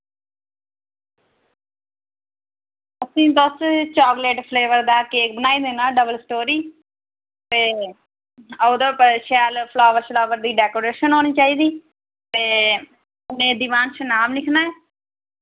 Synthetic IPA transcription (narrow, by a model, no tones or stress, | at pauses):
əsĩːd̪ost͡ʃaːkleːʈpʰleːʋəɾd̪aːkeːk̚bənaːiːd̪eːnaːɖəbəlsʈoːɾiː | t̪eː | əʊd̪əːpəʃɛːlpʰlaːʋəɾslaːʋəɾd̪iːɖɛːkoːɾeːʃənɦoːniːt͡ʃaːiːd̪iː | t̪eː | ʊnẽːd̪iʋaːnt͡ʃʰənaːmlɪkʰnaːɛː